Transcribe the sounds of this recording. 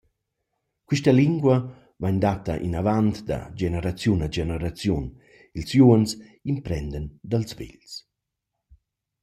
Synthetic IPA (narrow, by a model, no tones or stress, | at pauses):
kwiʃtaliŋɡwa | vaɲd̪at̪aʔḭnavant̪d̪a̰d͡ʒenəɾat͡sjunad͡ʒenəɾat͡sjun | ilsjuəns | impɾɛnd̪ənd̪alzvḭʎs